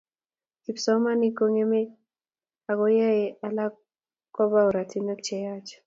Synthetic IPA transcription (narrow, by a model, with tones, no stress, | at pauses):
ki˨psɔ˦ma˦niko˦ŋe˦me˦ | a˨ɡo˦ja˦e˨a˨la˦ | kɔ˦ba˦o˨ɾa˨ti˦no˦kt͡ʃɛjat͡ʃ